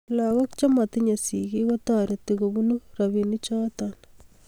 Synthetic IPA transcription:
laɣokt͡ʃamat̪iɲasiɣiɣat̪aɾet̪iɣoβunuɾaβinit͡ʃaːt̪an

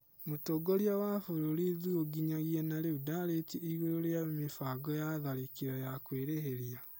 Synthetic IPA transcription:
motoɡoɾjawafoɾoɾiðuoɡiɲaɣiɛnaɾeudaɾetiiɣoɾoɾeamifaɡɔjaðaɾikiɾɔjakweːɾeɦeɾia

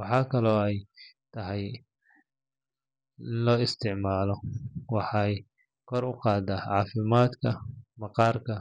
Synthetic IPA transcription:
wɑħɑːkʰɐlɔːɛjt̪ʰɐɦɛj | lɔːɪst̪ʰɪʕmaːlɔwɑħɑːj | kʰɔɾʊqɑːd̪aːʕɑːfɪmaːd̪kʰɐmɑqɑːrkʰɐ

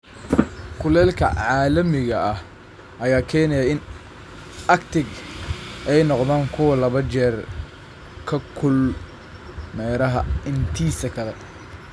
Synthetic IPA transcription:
kʰʊlɛːlkʰɐ̰ʕɑːlɐmɪɣɐɐh | ʔɐjaːkʰɛːnɛjaɪn | ʔɐkt̪ʰɪɡ | ʔɛjnɔqðaːŋkʰʊwɐlɐβɐt͡ʃɛːr | kʰɐkʰʊl | mɛːɾɐɦɐɪnt̪ʰiːsɐkʰɐðɐ

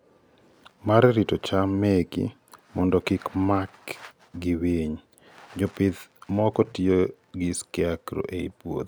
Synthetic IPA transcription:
maɾɛɾitot͡ʃamːeɡḭ | mɔndɔkɪkmak | ɡiweɲ | d͡ʒɔpɪd̪mɔkɔtjo | ɡɪskiakɾo̰ʔeḭpwo̰t̪

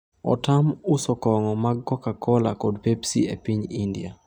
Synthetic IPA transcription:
ɔ̰tamusɔkɔŋɔmaɡːɔkakʰɔlakodpepsiepiɲindia̰

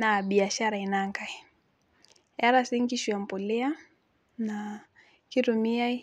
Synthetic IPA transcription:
naɓiaʃaɾainaŋɡai | aɾasiŋɡiʃuam̩pulɛa | na | kiɾumiai

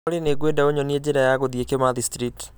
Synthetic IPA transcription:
oɾeneɡwendaoɲɔnied͡ʑeɾajaɣoðiekemaðistɾit

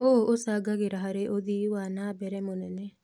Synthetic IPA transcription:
oːosaɡaɡeɾaɦaɾeʔod̪iwanabɛɾɛmonɛne

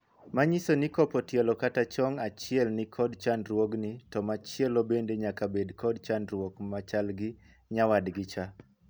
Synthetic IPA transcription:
maɲisonikɔpɔtjɛlɔkatat͡ʃɔŋat͡ʃɪɛlnɪkʰɔdt͡ʃandɾwoɡnitɔmat͡ʃɪɛlobendeɲakabedkʰɔdt͡ʃandɾwokmat͡ʃalɡɪ | ɲawadɡɪt͡ʃa

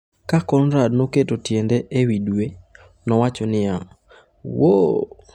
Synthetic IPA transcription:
kakɔnɾadnoketotjendɛʔewidwe | nɔwat͡ʃonɪa | wo

